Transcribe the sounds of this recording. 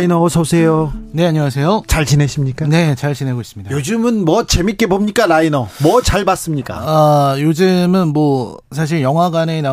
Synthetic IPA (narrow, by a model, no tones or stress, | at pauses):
inʌsʰʌsʰejone̞aɲŋwas̬ʰe̞jot͡ɕaɭt͡ɕineɕʰimɲik͈ane̞t͡ɕaɭt͡ɕine̞ɡois͈ɯmɲidaod͡ʑɯmɯnmwʌt͡ɕe̞mik͈e̞bomɲik͈alainʌmwʌt͡ɕaɭbas͈ɯmɲik͈a̰ajod͡ʑɯmɯnmwʌ | s̬ʰaɕ̬ʰiɭjʌŋɦaɡanena